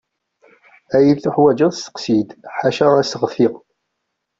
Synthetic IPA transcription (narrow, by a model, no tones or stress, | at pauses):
æjilθuħwæd͡ʒæðsə̥qsid̪ħaʃæʁæsəʁθiʁ